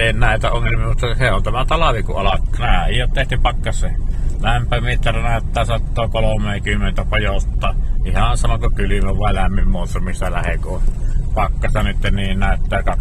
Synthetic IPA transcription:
eˑinnæˑet̪æoŋːelmiɑmut̪ːɑseont̪æmæt̪ɑlɑʋikuʔʔɑlɑkːnæhæijjot̪t̪eht̪ypɑkːɑsːelæmpæmit̪ːɑrænæˑøt̪ːæːsɑt̪ːoːkolomˑeːkymːent̪æpojot̪ːɑˑːihɑnsɑnokokylymæʋʋɑˑelæmːimmuˑsːɑmːisːælæhekupɑkːɑst̪ɑnyt̪ːenniːnnæˑøt̪ːæːkɑk

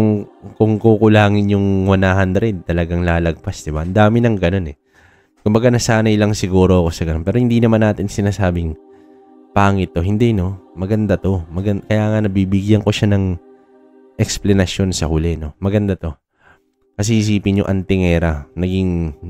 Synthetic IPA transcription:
ʊŋkʊŋkukʊlaːŋɪnjʊŋwɐnaːhand̪ɾɛd̪̚t̪ɐlɐɡaŋlaːlɐɡ̚pasd̪ɪba̰ʔɐnd̪aːmɪnɐŋɡɐno̞nɛ | kʊmbɐɡanɐsaːnɐjlɐŋsɪɡuːɾo̞ɐko̞sɐɡɐnonpɛːɾohɪnd̪inɐmanːaːt̪ɪnsɪnaːsaːbɪŋ | paːŋɪt̪ːo̞ɦɪnd̪ɛno̞mɐɡɐnd̪at̪o̞mɐɡɐnkɐjaːŋɐnɐbiːbɪɡjɐŋko̞ʃanɐŋ | ʔɛksplɐnɐsjo̞nsɐhʊlɛno̞mɐɡɐnd̪at̪o̞ | kɐs̬ɛhis̬iːpɪnjʊ̰ŋʔɐnt̪ɪŋɛːɾɐnɐɡiŋ

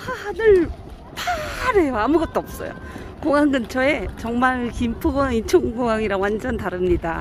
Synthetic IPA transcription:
anɯɭ | paɾejoamuɡʌt̚t͈oʌp̚s͈ʌ̰jo̰koŋaŋɡɯnt͡ɕʰʌe̞t͡ɕʌŋmaɭkimpʰuɡʌŋint͡ɕʰoŋɡoŋaŋiɾawand͡ʑʌntaɾɯmɲida̰

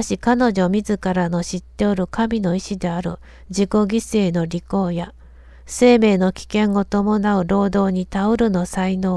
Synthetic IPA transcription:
ɕikano̞ʑo̞mʲizɨkaɾano̞ɕit̪ːe̞o̞ɾɯ̟kamʲino̞iɕid̪e̞aɾɯ̟̰ | d͡ʑiko̞ɡʲise̞ːno̞ɾʲiko̞ːja | se̞ːme̞ːno̞kʲi̥kẽ̞ŋo̞t̪o̞mo̞naɯ̟ɾo̞ːd̪o̞ːɲ̟it̪aɯɾɯ̟no̞saino̞ː

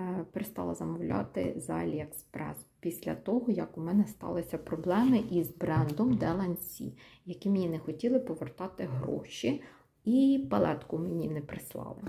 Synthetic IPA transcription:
peɾest̪ɑlˠɐzɐmɔwlʲɑ̰t̪ɪ̰zɑ̰lʲiekspɾɛ̰spʲisʲlʲɐ̰t̪ɔɦɔjɐkʊmɛnɛst̪ɑ̰lˠɪsʲɐpɾɔblˠɛmɪʔizbɾɛnd̪ɔmd̪ɛlˠɐnʲsʲḭjɐkʲimenʲinɛxɔtʲilˠɪpɔʋert̪ɑt̪ɪɦɾɔ̰ʃʲi | ipɐlˠɛt̪kʊmenʲinɛpɾɪslˠɑ̰lˠɪ

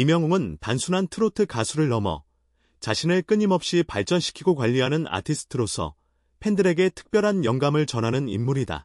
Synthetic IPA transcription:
imjʌŋoŋɯntansʰunɦantʰɯɾotʰɯkasʰuɾɯɭːʌmʌ̰ | t͡ɕaɕʰinɯɭk͈ɯɲimʌp̚ɕ͈ipaɭt͡ɕ͈ʌnɕʰi̥kʰiɡokwaʎːiɦanɯna̰tʰisʰɯ̥tʰɯɾosʰʌ̰ | pʰe̞ndɯɾe̞ɡe̞tʰɯ̥k̚p͈jʌɾɦanjʌŋɡamɯɭt͡ɕʌnɦanɯnḭmːuɾida̰

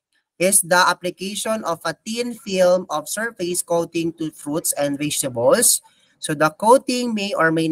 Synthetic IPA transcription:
ʔɪsd̪ɐʔaplɪkejʃɔ̃nɔvɐt̪ĩnfilmʔɔfsɛɹfeskowt̪ɪ̃ŋt̪ufɹut̪sɛ̃nd̪vɛsɐbɔlsː | od̪ɐkowt̪ɪ̃ŋmejʔɔɹmej

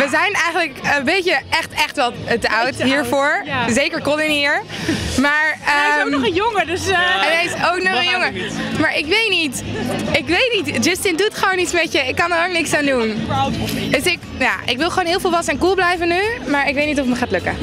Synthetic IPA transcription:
ʋəzɛjnɛjχənləkəbejcəɛχtɛχtʋɛlˠtəʔawtɦiːɹvʊːɹzejkəɹkɔlɪnɦiːɹmaːɹəmjʊŋədəsɛnɦɛjɪsowknɔχənjɔŋəmaːɹʔɪkʋejtnitɪkʋejtnitd͡ʒɪstɪndutχəʋownitsmɛtjəɪkːɑnəroknɪksaːndun | døsɪk | ja̰ːʔɪkʋɪlˠχəoːnɦɪːlˠvɪːlˠʋɑsəɛnkulˠblɛjvənːymaːɹɪkʋejtnit̬ɔfətməχaːtløkə̰

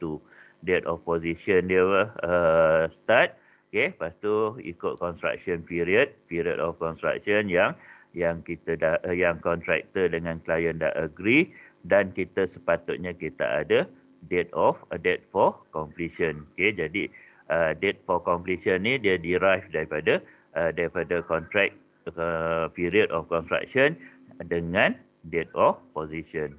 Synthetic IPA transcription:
t̪u | dɛt̪ɔ̰fpoziʃəndiəwəəst̪at̪̚ | kepast̪uḭkʊt̪̚kɔnst̪ɾa̰k̚sɔnpiɾiət̪̚piɾiə̰dɔfkɔnst̪ɾa̰k̚ʃɔnjaŋ | jaŋkit̪ədahjaŋkɔnt̪ɾɛ̰k̚t̪ədəŋãnklajənda̰ʔəɡɾi | dankit̪əsəpat̪ʊt̪̚ɲãkit̪a̰ʔa̰də | dɛt̪ɔfədɛt̪̚fɔkɔmpliʃənoked͡ʒadi | ədɛt̪̚fɔkɔmpliʃənĩdiadiɾajfdaɾipada | ədaɾipadakɔnt̪ɾɛk̚ | əpiɾiədɔfkɔnst̪ɾa̰k̚ʃɔn | dəŋãn | dɛt̪̚ɔfpoziʃən

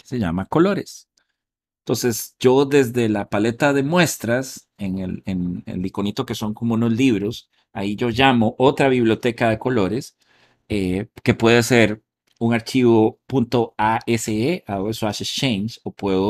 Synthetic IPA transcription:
ke̥se̞ʝa̰mako̞lo̞ɾes | ent̪o̞nse̞sd͡ʒo̞ðe̞zðe̞lapale̞t̪aðe̞mwe̞st̪ɾas | eŋelenḛlːiko̞nit̪o̞ke̞so̞ŋkomounozliβɾo̞s | aiʝo̞ʝamo̞ʔot̪ɾaβiβlijo̞t̪e̞kaðe̞ko̞lo̞ɾe̞s | eke̞pwe̞ðese̞ɾ | uŋaɾt͡ʃiβopunt̪o̞aeseeaoeswaʃeʃensopwe̞ðo

